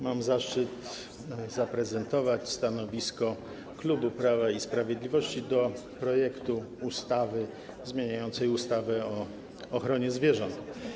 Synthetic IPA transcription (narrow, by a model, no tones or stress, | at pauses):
mamzaʂt͡ʂɘt̪ | zapɾɛzɛnt̪ɔvat͡ɕst̪anɔvʲiskɔ | klubupɾavaispɾavʲjɛd̪lʲivɔɕt͡ɕid̪ɔpɾɔjɛkt̪uust̪avɘ | zmʲjeɲajɔnt̪sɛjust̪avɛɔː | xɾɔɲɛzvʲjɛʐɔnt̪